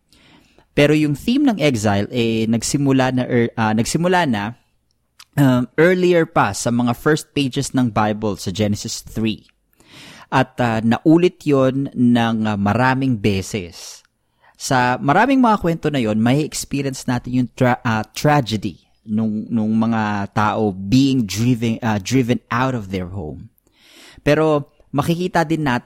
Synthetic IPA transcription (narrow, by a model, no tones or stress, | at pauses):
pɛɾojʊŋθimnɐŋʔɛksajlʔɛnɐɡsɪmʊlanɐʔnɐɡsɪmʊlanɐ | ʔɐmʔɛɹliɛɹpɐsɐmɐŋafɛɹst̪̚pejd͡ʒɛsnɐŋbajbɐlsɐd͡ʒɛnɛsɪsθɹi | ʔɐt̪̚ɐnɐʔuːlɪt̪jonːɐŋmɐɾaːmɪŋbɛːsɛsː | ɐmɐɾaːmɪŋmɐŋakwɛnt̪o̞nɐjo̞nmɐʔiʔɛkspiɾjɐnsnaːt̪ɪnjʊŋɐt̪ɹad͡ʒɐd̪ḭ | nʊŋnʊŋmɐŋat̪aːʔo̞biːʔɪŋd̪ɹɪvd̪ɹɪvɛnʔawɾɔvðɛɹho̰wm | pɛːɾo̞ | mɐkɪkiːt̪ɐd̪ɪnːaːt̪